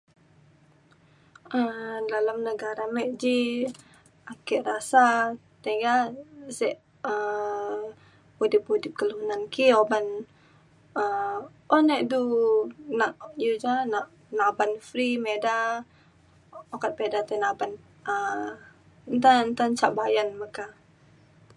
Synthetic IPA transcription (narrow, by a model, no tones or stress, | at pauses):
ədalamnəɡaɾamɛʔd͡ʒi | akɛʔrasa | t̪aɡasɛʔ | ə | udip̚udip̚kəlunankioban | ə | ɔnɛʔdu | naʔjud͡ʒanaʔ | nabanfɾimeda | okat̪̚pedat̪anaban | ə | nt̪ant̪ant͡ʃaʔbajanmaka